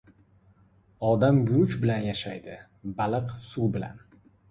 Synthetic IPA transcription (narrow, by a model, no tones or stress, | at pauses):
ɒd̪amɡʲʊɾʊt͡ʃbɪlanjaʃajd̪ɪ | balɨqsuwbɪla̰n